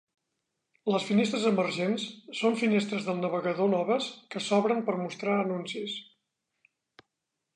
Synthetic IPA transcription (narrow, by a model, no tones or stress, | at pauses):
ləsfinest̪ɾəzəmərʒensːoɱfinest̪ɾəzðəlˠnəβ̞əɣəðonɔβəskəsɔβɾəmpəɾmust̪ɾaənunsis